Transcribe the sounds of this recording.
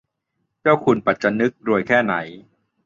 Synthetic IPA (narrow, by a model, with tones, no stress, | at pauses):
t͡ɕaː˥˩wkʰu˧npa˨˩t̪̚t͡ɕa˧nɯ˦˥k̚ɾu˧əjkʰɛː˥˩na˩˦j